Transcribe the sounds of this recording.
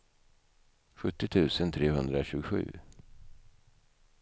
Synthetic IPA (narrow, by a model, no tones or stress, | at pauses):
ɧɵt̪ːɪt̪ʰʉ̟ːsənt̪ʰɾeːɦɵnd̪ɾaɕʉ̟ːɡʊɧʉ̟̰ː